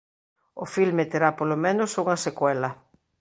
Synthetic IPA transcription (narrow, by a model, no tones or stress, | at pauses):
ofilmet̪eɾapolomenʊsuŋɐsekwɛlɐ